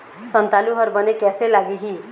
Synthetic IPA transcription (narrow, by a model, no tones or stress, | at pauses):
sʌnt̪aluɦʌɾbʌnekjaselaɡiɦi